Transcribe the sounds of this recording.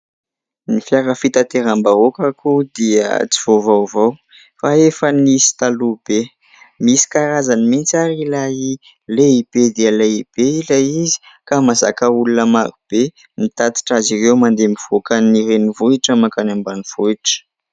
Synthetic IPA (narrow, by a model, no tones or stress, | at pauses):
nifjaɾəfit̪at̪eɾambaokakud̪iə̰t͡siv̥ovawvaw | faefənisi̥t̪alub̥e | misi̥kaɾazanimint͡saɾilai | leib̥ed̪iəleib̥eilaizi̥ | kamaza̰kəulunəmaɾub̥e | mit̪at̪i̥ʈ͡ʂazirewmand̪emiv̥okanirenivuiʈ͡ʂəmakanambaniv̥uiʈ͡ʂə̥